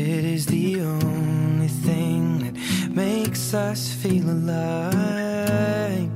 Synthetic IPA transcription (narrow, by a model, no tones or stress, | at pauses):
ɪɾɪzðiõʊ̃nnliθɪ̃ŋðɨt̚meɪksʌsfilˠəla